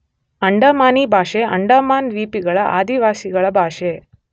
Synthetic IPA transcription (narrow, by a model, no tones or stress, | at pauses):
ɐɳɖɐmaːniːbʱaːʃeʔɐ̰ɳɖɐːmaːnʋiːpiɡɐɭɐʔa̰ːd̪iʋaːsiɡɐɭɐbʱaːʂe